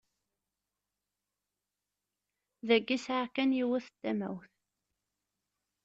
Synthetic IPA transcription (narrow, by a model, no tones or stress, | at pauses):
ðæɡːisʕakːænjiwæθət̪ːæmæ̰wθ